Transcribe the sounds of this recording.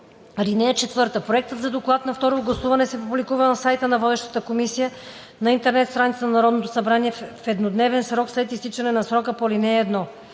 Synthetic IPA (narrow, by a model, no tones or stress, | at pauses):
ɾinɛjət͡ʃɛt̪vɤɾt̪əpɾoɛk̚t̪ət̪zɐd̪oklˠat̪nɐft̪ɔɾovɡlˠɐsuvɐnɛsɛpublikuvənɐsajt̪ənɐvɔd̪ɛʃt̪ə̥t̪əkomisijə | nɐint̪ɛɾnɛt̪st̪ɾanit̪sənɐnɐɾɔd̪not̪osɐbɾaniɛfɛd̪nod̪nɛvɛnsɾɔkslɛt̪ist̪it͡ʃɐnɛnɐsɾɔkəpolinɛɛːd̪nɔ